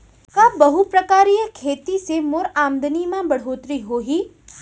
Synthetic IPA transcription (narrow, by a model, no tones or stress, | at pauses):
kãbəɦupɾəkaːɾijəkʰeːt̪isemoɾaːmd̪ənimãbəɽ̤ɦoːt̪ɾiɦoːɦiː